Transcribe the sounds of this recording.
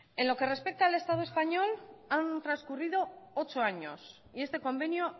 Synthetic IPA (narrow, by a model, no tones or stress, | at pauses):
e̞nlo̞ke̞re̞spe̞k̚t̪aele̞st̪aðue̞spaɲo̞lant̪ɾanskurið̞o̞ot͡ʃo̞aɲo̞̰s | ie̞st̪e̞ko̞mbe̞njo